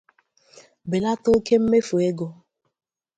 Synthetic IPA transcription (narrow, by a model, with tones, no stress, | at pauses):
be˨la˦to˦ke˦m̩˦me˦fu˨e˦ɡo˨